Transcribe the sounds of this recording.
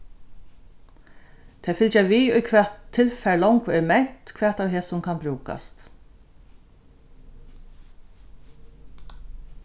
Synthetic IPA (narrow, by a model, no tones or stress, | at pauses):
t̪ʰɛːfɪlt͡ʃaʋiːʊjkʰʋɛːt̪ʰːɪlfɛɹlɔwŋkʰːɛmɛn̥t̪kʰʋɛːt̪aːwɦeːsʊmkʰanbɾuːka̰st̪